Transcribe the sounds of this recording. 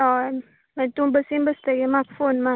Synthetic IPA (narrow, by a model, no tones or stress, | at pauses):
ɔ | metumbəsimbəsteɡemakfonma